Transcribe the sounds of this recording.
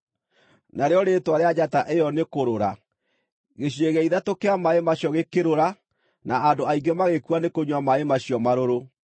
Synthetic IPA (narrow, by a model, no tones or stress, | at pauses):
naɾeɔɾetwaɾead͡ʑataʔejɔnekoɾoɾa | ɣeɕ̬eɣɛiðatokeamaemaɕjɔɣekeɾoɾa | naadoaiɡɛmaɣekuanekoɲwamaemaɕiɔmaɾoɾo